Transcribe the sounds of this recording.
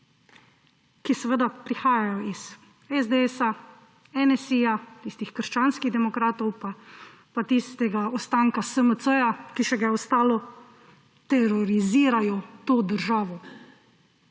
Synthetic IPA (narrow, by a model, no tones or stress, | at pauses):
kisɛʋəd̪apɾixaːjajɔiz̥ | ɛzd̪eɛsa | ɛnɛsijat̪ist̪ixkəɾʃt͡ʃaːnskiɣd̪ɛmɔkɾaːt̪ɔwpa | pat̪ist̪ɛɡaɔst̪aːŋkasəmət̪səjakiʃɛɡaɛɔst̪aːlɔ | t̪ɛɾɔɾiziːɾajɔt̪oːd̪əɾʒaːʋɔ